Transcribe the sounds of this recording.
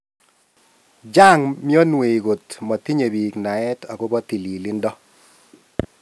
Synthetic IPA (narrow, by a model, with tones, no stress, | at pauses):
d͡ʒa˦˨ŋmɪ˦ɔ˦nwe˨i˨ɡo˨tmɔ˨t̪i˦ɲe˨bi˨kna˨ɛ˦ta˨kʊ˦bɔ˦t̪i˨li˨li˦ndɔ˦